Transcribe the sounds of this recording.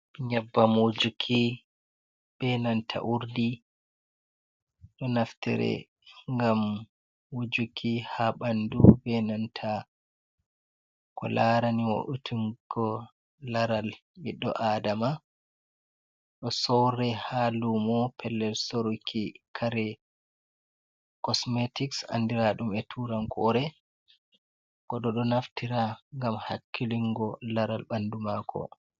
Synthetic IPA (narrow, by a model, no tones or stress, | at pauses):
ɲabːamod͡ʒukʰi | b̥ɛnantʰa̰ʔuɾdi | ɗɔnaftɛ̰ɾɛ̰ | ŋɡam | wod͡ʒukʰihaɓandubɛnantʰa | kɔ̰laɾaniwo̰ʔutʰuŋkɔ | laɾal | biɗːɔ̰ʔadama | ɗɔsɔwɾɛhalumɔpʰɛlːɛlsoɾukʰikʰaɾɛ | kɔsmetiksa̰ndiɾaɗumɛtʰuɾaŋkʰɔɾɛ | kɔɗɔɗɔnaftiɾaŋɡamhakːiliŋɡɔlaɾalɓandumakʰɔ̰